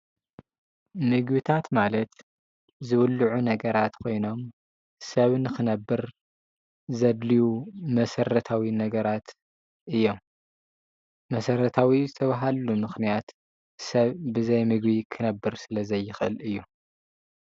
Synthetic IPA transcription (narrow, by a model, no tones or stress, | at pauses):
mɨɡbit̪ʰat̪malɐt̪ | zɨwʊlːɨʕunɐɡɐɾat̪kʰo̞jno̞m | sɐβnɨxɨnɐbːɨɾ | zɐd̪lijumɐsɐrɐt̪ʰawinɐɡɐɾat̪ | ʔɨjːo̞m | mɐsɐɾɐt̪ʰawizɨt̪ʰɐβaɦalumɨxnijat̪ | sɐβbɨzɐjmɨɡβikʰɨnɐbːɨɾsɨlɐzɐjːɪxʔɨlɨjːu